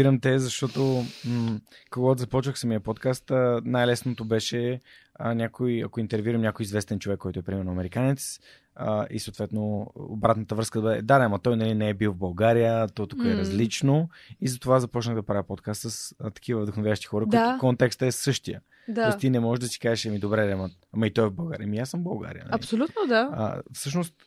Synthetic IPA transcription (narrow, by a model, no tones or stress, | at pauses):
iɾəmt̪ɛzɐʃt̪ɔt̪o | koɡɔt̪zɐpɔt͡ʃvəxsəmiəpɔt̪kast̪ːnajlɛsnot̪obɛʃɛ | ənʲakojɐ̰koint̪ɛɾvjuɾəmnʲakojizvɛst̪ɛnt͡ʃovɛkːɔjt̪oɛpɾimɛɾnʊɐmɛɾikanɛt̪s | əḭsot̪vɛt̪no̰ʊbɾat̪nət̪əvɾɤskəd̪bəd̪ɛd̪aɛamɐt̪ɔjnɐlinɛɛbilˠvbɐlˠɡaɾijət̪ɔt̪ukəɛɾɐzlit͡ʃnoizɐt̪ovazɐpɔt͡ʃnəɣd̪ɐpɾaviɐpot̪̚kast̪səst̪ɐ̥kivəvd̪əxnʊvʲjavəʃt̪i̥xɔɾəkk̪kɔnt̪ɛkst̪ɛsɤʃt̪ijə̰ | t̪ɔist̪inɛmɔʒɛʒd̪ɐsi̥kaʒɛʃɛmid̪obɾɛɾɛmə | amɐit̪ɔɛvbɐlˠɡa̰ɾiəmijasəmbɐlˠɡa̰ɾijə̰n̰ɐlipsolʲut̪nod̪aə̰fsɤʃ̬nost̪